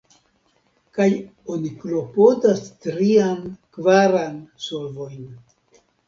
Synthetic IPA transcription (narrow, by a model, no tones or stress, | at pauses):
kaj | oniklo̞po̞dastɾiankvaɾansolvo̞jn